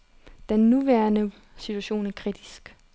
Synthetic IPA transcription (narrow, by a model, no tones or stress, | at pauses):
d̥enːuʋæɐnə | sit͡sʰuæɕo̝̰ːnækʰʁid̥isɡ̥